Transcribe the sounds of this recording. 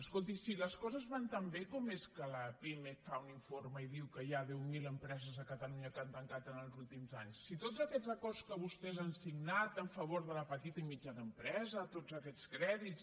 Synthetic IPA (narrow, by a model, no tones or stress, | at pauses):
əskolˠt̪̬isiləskɔzəzβant̪əmbekɔmeskələpimefauniɱforməiðiwkəjaðɛwmiləmpɾɛzəzəkət̪əluɲəkant̪əŋkat̪ənəlˠzulˠt̪imzaɲsːit̪ozəkɛzəkɔrskəβust̪ɛzansiɡnat̪əɱfəβ̞oɾðələpət̪it̪əimid͡ʒaðəmpɾɛzət̪ozəkɛt͡skɾɛðits